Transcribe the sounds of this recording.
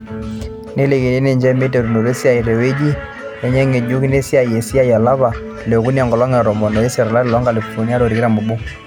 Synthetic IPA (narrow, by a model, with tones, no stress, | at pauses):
ne˦le˨ke˨e˦ne˦˨ɲd͡ʒɛ˦mi˦te˨ɾu˨no˨ɾe˦sja˦˨i˨ɾɛ˨we˦d͡ʒi˦ | jɛ˦ɲɛ˦ŋe˨d͡ʒu˦ki˦ne˦si˦a˦˨je˨si˦a˦ja˨la˦βa˨ | lɛ˨ku˦ni˦a˨ŋɡɔ˨lɔ˦ŋɛ˨ɾɔ˨mɔ˨nɔ˨e˦sa˨ɾa˨la˦ɾɪ˨lɔ˦ŋɡa˨li˨fɔ˨ni˦a˦ɾo˨ɾi˨kɪ˦ɾa˨mu˨bu˦